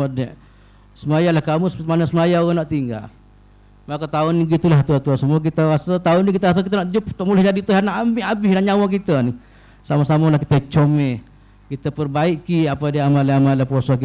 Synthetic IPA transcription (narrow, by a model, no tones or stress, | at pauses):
ədɛʔ | səmajalahkamusə̥t̪manəsəmajaoɣaŋnaʔt̪iŋɡa̰l | makat̪aʊnːiɡit̪ulaht̪uat̪uasəmuak̬it̪əɣasət̪aʊnːikit̪̬əas̬ək̬it̪ənaʔ̪d͡ʒupt̪oʔmulɛhd͡ʒadit̪uɦanaʔamiʔabɪhdanɲawakit̪əni | samasamalahkit̪ət͡ʃomɛ | kit̪əpərbaiʔkiapadiamaleamalahposaki